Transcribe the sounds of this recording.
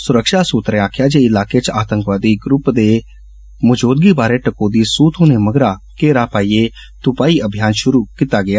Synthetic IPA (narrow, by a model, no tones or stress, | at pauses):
sʊɾəkʃaːsuːt̪ɾẽaːkʰjaːd͡ʒeːɪlaːkeːt͡ʃaːt̪ə̃ŋkʋaːd̪iːɡɾʊpd̪eː | mʊd͡ʒoːd̪ɡiːbaːɾeːʈəkoːd̪iːsuːt̪ʰõːneːməɡɾaːkeːɾaːpaːiːeː | t̪ʊpaːiːʔəbʱjaːnʃʊɾuːkit̪aːɡɪaː